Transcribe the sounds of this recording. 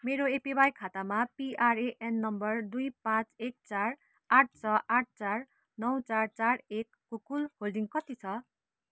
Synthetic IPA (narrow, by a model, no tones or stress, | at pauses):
meɾoepibajkʰat̪amapiʔareʔenːʌmbʌrd̪ujpãt͡sek̚t͡sar | aʈ̚ʰt͡sʰʌʔaʈ̚ʰt͡sar | nʌwt͡sart͡sarekːokulholɖiŋkʌt̪it͡sʰʌ